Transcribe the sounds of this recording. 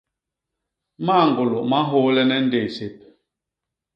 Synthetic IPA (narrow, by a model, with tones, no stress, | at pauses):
ma˦˨ŋ˨ɡu˨lo˨ma˦ɦo˦lɛ˦nɛ˦n̩˦de˨se˨p̚